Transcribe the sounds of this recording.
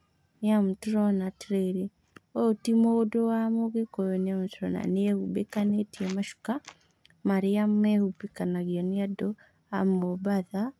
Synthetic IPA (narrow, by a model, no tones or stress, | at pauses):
niamutɾɔnatɾeɾi | ɔotimɔdɔwamoɣekɔjɔniam̩tɾɔna̰niɛhubekanetiɛmaʃu̥ka | maɾiamɛhupikanaɡiɔniadɔ | amɔbaða